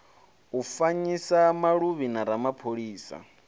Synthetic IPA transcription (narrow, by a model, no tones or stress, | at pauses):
ufaɲisamaɺuβinaɾamapʰoɺiːsa̰